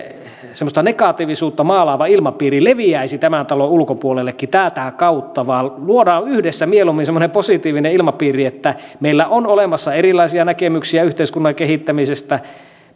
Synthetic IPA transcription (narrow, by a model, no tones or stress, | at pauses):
semːˑost̪ɑnekɑt̪iʋisuːt̪ːɑmɑːlɑːʋɑilmɑpiːrileʋiæisit̪æmænt̪ɑloulkopuolelːekːit̪æːt̪ækɑut̪ːɑʋɑːlluodɑːnyhdesːæmielumːinsemːoneposit̪iːʋineilmɑpiːriet̪ːæ | meilːæʔonolemɑsːɑerilˑɑisiɑnækemyksiæyht̪eˑiskunːɑkehit̪ːæmisest̪æ